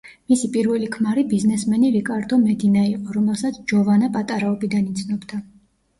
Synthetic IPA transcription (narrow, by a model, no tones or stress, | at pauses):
misipʼiɾvɛlikʰmaɾibiznɛsmɛniɾikʼaɾd̪ɔmɛd̪inaiqʼɔɾɔmɛlˠsat̪sʰd͡ʒɔvanapʼat̪ʼaɾaɔbid̪anit̪sʰnɔbd̪a